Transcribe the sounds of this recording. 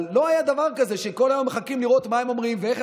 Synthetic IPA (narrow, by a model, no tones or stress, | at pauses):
o̞ajad̪avaʁkaze̞ʃe̞ko̞lajo̞mːeχakimliʁo̞t̪mae̞mo̞mʁimvee̞χ